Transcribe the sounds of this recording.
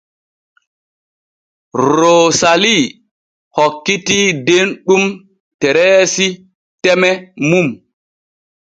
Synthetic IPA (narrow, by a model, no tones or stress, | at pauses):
ɾoːsali | hɔkːitidenɗum | tɛɾɛːsi | tɛmɛmum